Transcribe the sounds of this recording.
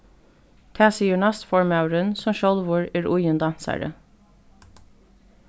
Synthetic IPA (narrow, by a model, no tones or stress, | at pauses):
t̪ʰæːsiːəɳɑst̪fɔɹmɑʉɹənsɔmʃɔlʋʊːɹeːɹʊjənd̪ɑnsæ̰ɹə̰